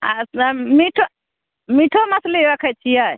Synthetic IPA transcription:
a̰smiʈʰo | miʈʰomɐsleɾəkʰət͡ʃʰija

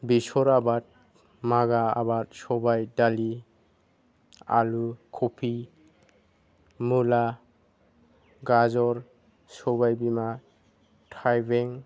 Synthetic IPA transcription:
bisɔɾabat̚ | maɡaa̰bat̚sɔbajdali | a̰lukʰɔpʰi | mula | ɡazɔɾ | sɔbajbima | tʰajbeŋ

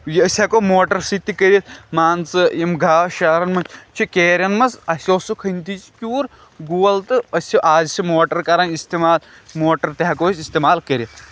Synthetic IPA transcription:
jiɐsʲɐkoːmoːʈɐɾsit̪ːikəɾʲit̪̚ʰmaːnt͡sɨjimɡʱaːʃɐːɾɐnmɐt͡ʃʰikeːɾʲɐnmɐsɐsʲoːsukʰɐnt̪ʰit͡ʃikʲuːɾ | ɡuːɐlt̪ɨɐsʲiʔaːzsimoːʈɐɾkɐɾɐnist̪emaːl | moːʈɐɾt̪eɦɐkoːsʲist̪emaːlkəɾʲit̪ʰ

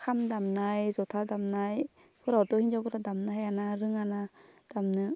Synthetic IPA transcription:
kʰamd̪amnajzot̪ʰad̪amnaj | pʰuɾawt̪ohind͡ʒapʰuɾad̪amnahajanaɾɯŋanad̥̪amnɯ

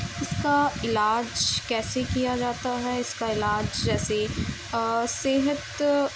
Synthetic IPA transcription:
ɪskaɪlaːd͡ʒkɛːsekijad͡ʒaːt̪aɦɛɪskaɪlaːd͡ʒd͡ʒɛːse | seːɦət̪

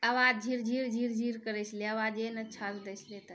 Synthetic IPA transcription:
əʋad͡ʒʱiɾd͡ʒʱiɾd͡ʒʱiɾd͡ʒʱiɾkəɾɛsʰleəʋad͡ʒenət͡ʃʰatd̪əsʰlet̪ə

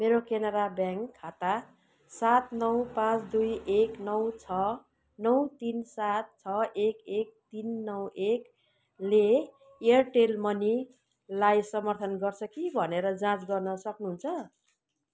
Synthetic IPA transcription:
meɾokenʌɾabjãŋkʰːat̪a | sat̪nʌwpãt͡sd̪ujeknʌwt͡sʰʌ | nʌwt̪insat̪̚t͡sʰʌekek̚t̪inːʌwek | le | eʌrʈelmʌni | lajsʌmʌrt̪ʰʌnɡʌrt͡sʰʌkibʱʌneɾʌd͡zãt͡sɡʌrnʌsʌknuɦunt͡sʰʌ

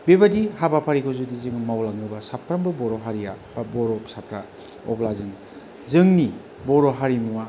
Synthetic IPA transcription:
bebadihabapʰaɾikʰozudizɯŋmawlaŋɯbɐsapʰɾambɯbɔɾoɦaɾijab̥aboɾopsapʰɾa | ɔ̰plazɯŋ | zɯŋni | boɾoɦaɾimua

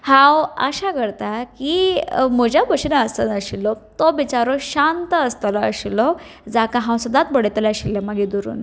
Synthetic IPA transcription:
hãwə̰ɕakəɾt̪akim̤əd͡ʑjabəɕnaəsə̰nəɕilɔt̪obit͡ɕaɾoɕant̪əəst̪əlaə̰ɕilɔ | d͡zakaɦãwsəd̪at̪bəɽet̪laəɕilːəmaɡid̪uɾṵːn

